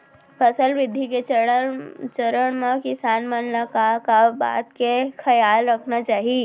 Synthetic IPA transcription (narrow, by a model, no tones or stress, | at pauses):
pʰɐsəlʋɪd̪ʱːike | t͡ʃəɾəɽ̃mãkɪsaːnmənlakakaba̰ːt̪kexʰɐjaːlɾɐkʰnat͡ʃaːɦie